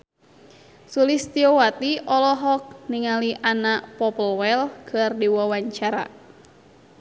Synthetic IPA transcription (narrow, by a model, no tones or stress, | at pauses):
sulist̪iɔwat̪iʔɔlɔɦɔk̚niŋaliʔanaʔpɔpəlwɛlkʰɨrdiwawaɲt͡ʃaɾa̰